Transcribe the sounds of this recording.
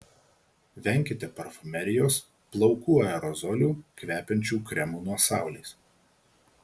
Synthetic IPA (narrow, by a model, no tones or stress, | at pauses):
ʋʲɛˑŋʲkʲɪt̪ʲɛpɐɾfʊmʲɛɾʲɪjoːs | plˠɒʊkuːɐɛɾɔzɔlʲuːkʲʋʲæːpʲɛnʲt͡ʃʲuːkɾʲɛmuːnuɔsɑˑʊlʲeɪs